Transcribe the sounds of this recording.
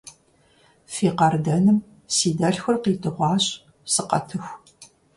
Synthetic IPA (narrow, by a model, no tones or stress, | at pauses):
fiːqɐrdɐnɨm | siːdɐɬxɐrqiːtʰɨʁʷɑːɕʼ | sɨqɐ̰tʰɨxʷ